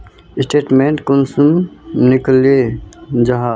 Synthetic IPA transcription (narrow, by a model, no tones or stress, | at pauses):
ɪsʈeːʈmẽɳʈkʊnsumnɪkled͡ʒaɦaː